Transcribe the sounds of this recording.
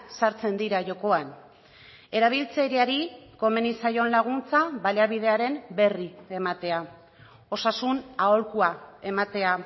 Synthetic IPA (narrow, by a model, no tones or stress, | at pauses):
saɾt͡se̞nd̪iɾaʝo̞ko̞an | e̞ɾaβ̞ilt͡seɾiaɾiko̞me̞nisajo̞nlaɣ̞unt͡saβaleaβ̞ið̞e̞aɾe̞nbe̞rie̞mat̪e̞a | o̞sasunao̞lkuae̞mat̪e̞a